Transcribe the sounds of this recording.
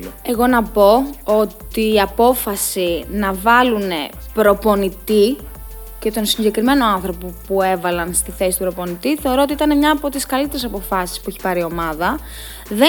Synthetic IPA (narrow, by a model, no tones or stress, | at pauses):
e̞ɣo̞nɐpo̞ot̪iːɐpo̞fɐsinɐvɐlune̞ | pɾo̞po̞nit̪i | ce̞t̪o̞nsiɲɟe̞kɾime̞no̞ɐnθɾo̞popue̞vɐlɐnst̪iθe̞si̥t̪upɾo̞po̞nit̪iθe̞o̞ɾo̞o̞t̪iit̪ɐne̞mɲɐːpo̞t̪iskɐlit̪e̞ɾes̬ɐpo̞fɐsi̥spueçi̥pɐɾio̞mɐðɐ | ðe